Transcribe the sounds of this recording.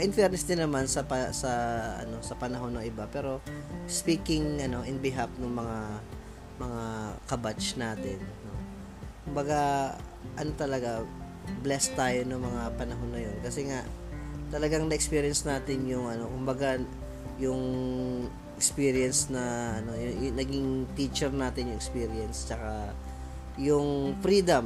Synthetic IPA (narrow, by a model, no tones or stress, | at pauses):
ʔɪnfɛɾnɛsd̪ɪnɐmansɐpɐsɐɐ̰no̞sɐpɐnɐɦo̞nːɐŋɪbapɛːɾo̞spiːkɪŋʔɐno̞ʔɪnbɪɦap̚nʊŋmɐŋa | mɐŋakɐbat͡ʃnaːt̪ɪnːo̞ | kʊmbɐɡa | ʔɐno̞t̪ɐlɐɡa | blɛst̪aːjo̞nɐŋmɐŋapɐnɐɦo̞nːɐjo̞nkɐsɛŋaʔt̪ɐlɐɡaŋnɐʔɛkspiɾɪjɐnsnaːt̪ɪnjʊŋɐno̞kʊmbɐɡa | jʊŋ | ʔɛkspiːɾjɛnsnɐʔɐno̞jʊjʊnɐɡiŋpit͡ʃɛɾnaːt̪ɪnjʊŋɛkspiːɾɪɛnst͡ʃɐka | jʊŋfɾiːd̪ɐm